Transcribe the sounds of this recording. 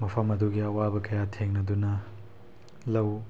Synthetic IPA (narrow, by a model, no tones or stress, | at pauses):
mɐpʰɐmɐduɡiɐwabɐkɐjatʰeŋnɐdunɐ | lɐw